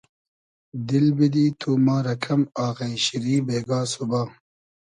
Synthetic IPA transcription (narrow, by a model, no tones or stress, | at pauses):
d̪ilbid̪iːt̪ʰumaːɾɐkʰɐmaːɣẽiɕiɾiːbeːɡaːsubaː